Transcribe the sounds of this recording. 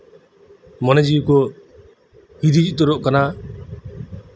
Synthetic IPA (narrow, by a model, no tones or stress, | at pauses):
mɔned͡ʒiko | hid̪id͡ʒit̪ɔɾoʔkana